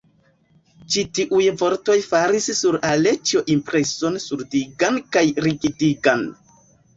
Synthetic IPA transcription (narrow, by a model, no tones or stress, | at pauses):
t͡ʃitiʔujvo̞ɾto̞jfaɾissuɾale̞t͡ʃo̞ʔimpɾe̞so̞nsuɾdiɡankajɾiɡidiɡan